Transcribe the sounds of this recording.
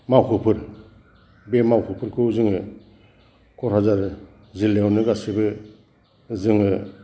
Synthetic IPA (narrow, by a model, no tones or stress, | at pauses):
mawkʰɯpʰɯɾ | bemawkʰɯpʰɯɾkʰɯzɯŋɯ | kʰɔɾhazaɾ | zilːewnɯɡasibɯ | zɯŋɯ